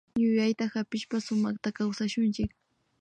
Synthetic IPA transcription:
ɲʊʎajt̪ahapɪʃpasʊmɑχt̪akawsaʃʊnt͡ʃɪk̚

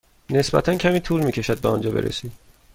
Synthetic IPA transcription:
ne̞sbæ̰t̪ʰæncʲʰæmiːt̪ʰuːlmiːcʲʰe̞ʃæd̪̚beɒnd͡ʒɒːbeɾʔḛsid̪

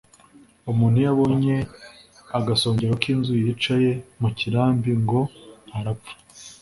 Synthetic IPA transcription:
umuːnhujaβo̞ɲe̞ | aɡaso̞ːɲɟeɾwakiːnzujit͡ʃaje̞muciɾaːmbiŋɡo̞haɾapp͡fḁ

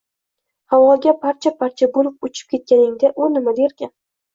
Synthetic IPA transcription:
hawɒɡʲapʰaɾt͡ʃʰapʰaɾt͡ʃʰabʊlfʊt͡ʃʰɪ̥p̚kʲʰe̞t̪̚kʲanɪŋd̪aʔonɪmad̪eɾkʲan

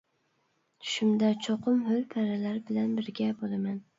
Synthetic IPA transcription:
ʃʊmd̪at͡ʃʰoqʰʊmholpʰaɾalaɾɪbɪlanbɪɾɡʲabolaman

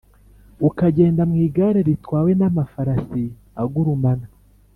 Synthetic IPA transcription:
ukaɟe̞ːndamŋiːɡaɾeɾitwaːwe̞namafaɾasi | aɡuɾumana

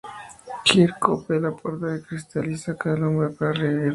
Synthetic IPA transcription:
kiɾkopelapoɾt̪aðekɾist̪alisakaðanombɾepaɾareði

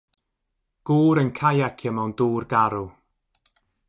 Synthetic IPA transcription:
ɡ̥uːɾənkʰajakʰəmawnduːrɡaɾu

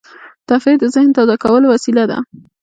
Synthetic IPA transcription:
t̪afed̪əzɪhnt̪azakawəlowasilad̪a̰

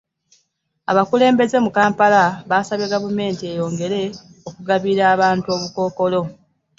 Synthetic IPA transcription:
a̰βakule̞ːmbe̞ze̞mukaːmpalaβaːsaβjeɡavume̞ːntie̞jo̞ːŋɡe̞ɾe̞okuɡaβiɾaːβaːntuo̞ːβuko̞ːko̞lo̞

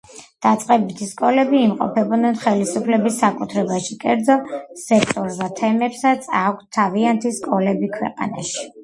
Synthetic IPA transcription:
d̪̥at̪sʼqʼɛbit̪ʰiskʼɔlɛbiːmqʼɔ̰pʰɛbɔd̪nɛnχɛlisupʰlɛbisːakʼut̪ʰɾɛbaʃikʼɛɾd̪zɔsɛk̚ʰt̪ʼɔɾzd̪at̪ʰɛmɛpsat̪sʰakʷʰt̪ʰːaviant̪ʰiskʼɔlɛbikʰwɛ̰qʼa̰na̰ʃi̥

